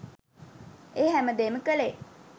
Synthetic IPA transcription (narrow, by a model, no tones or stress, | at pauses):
eːɦæməd̪eːməkəle